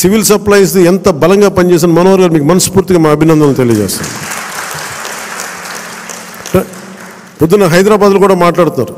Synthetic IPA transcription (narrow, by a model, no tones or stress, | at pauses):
siʋilsɐplɐjs̬iɛnt̪ɐbɐlɐŋɡaːpɐnt͡ʃɛːs̬anmɐnɔːɦɐɾɡaːɾmiːkumɐnɐspuːɾt̪iɡaːmaːɐbʱinɐnd̪ɐlːut̪elijɐd͡ʒɛ̰ːst̪a̰nd̪i | pud̪ːinɐɦɐjd̪ɾaːbaːd̪lokuːɽaːmaːʈlaːɽt̪unːa̰ːɾu